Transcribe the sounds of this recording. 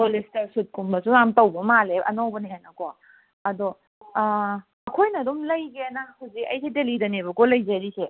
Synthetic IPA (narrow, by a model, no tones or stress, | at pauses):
polistɐsut̚kumbɐsunamtɐwbɐmaleɐ̰nowbɐniɦenɐkɔ | ɐdɔ | ɐkʰojnɐːdumlɐjɡenahawzikɐ̰jsidelidɐnebɐkolɐjzaɾise